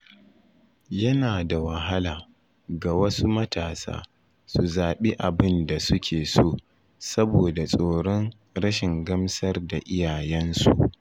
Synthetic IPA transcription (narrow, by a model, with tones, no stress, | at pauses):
jɐ˦naː˨da˨wɐ˨ɦa˦laː˨ | ɡa˨wɐ˦su˦mɐ˦taː˨sa̰ː˦ | su˨zaː˨ɓi˦ʔa˨bɪ˦nda˨sʊ˦kʲeː˨soː˦˨ | sɐ˦boː˨da˨sʼoː˨ɽɔ˦ŋ | ɽɐ˦ʃɪ˨ŋɡɐ˦msɐ˦rda˨ʔɪ˦jaː˨jɛ˦nsu˨ʔ